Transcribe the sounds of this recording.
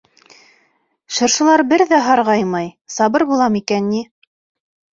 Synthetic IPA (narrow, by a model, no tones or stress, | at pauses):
ʃɤ̆ɾʃɤ̆lˠɑɾbɘɾðæɦɑɾʁɑjmɑjsɑbɤɾbulˠɑmikænːi